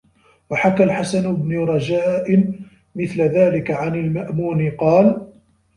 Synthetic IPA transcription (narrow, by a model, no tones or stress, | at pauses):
waħakalħasanbnʊɾˤɑd͡ʒaːʔɪn | mɪθlaðaːlɪkaʕanɪlmaʔmuːnɪqɑːl